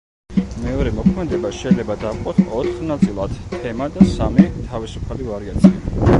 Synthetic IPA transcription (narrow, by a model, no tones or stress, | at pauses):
mɛɔɾɛmɔkʰmɛd̪ɛbaʃɛilɛbad̪afqʼɔt̪ʰɔt̪χnat̪sʼilˠad̪̥tʰːɛmad̪asamit̪ʰavisupʰalivaɾiat̪sʰia